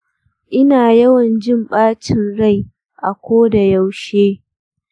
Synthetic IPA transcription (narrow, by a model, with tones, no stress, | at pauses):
ʔɪ˦naː˨jɐ˦wɐ˨nd͡ʒɪ˦mɓaː˦t͡ʃɪ˨nɽa˦˨j | ʔa˨kʷoː˦da˨ja˦wʃeː˦